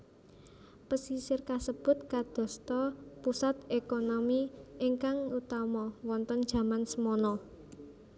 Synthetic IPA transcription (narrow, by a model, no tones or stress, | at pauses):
pəsisɪrkasəb̥ʊ̤t̪̚kad̪̥ɔ̤st̪ɔpusat̪̚ekonomiʔiŋkaŋut̪amɔwɔnt̪ɔnd̥ʒ̥ä̤mansəmɔnɔ